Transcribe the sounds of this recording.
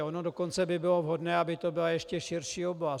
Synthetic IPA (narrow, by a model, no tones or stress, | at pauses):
ʔonodokont͡sɛbɪbɪlo̞vɦodnɛːabɪt̪obɪlajɛʃcɛʃɪrʃiːobla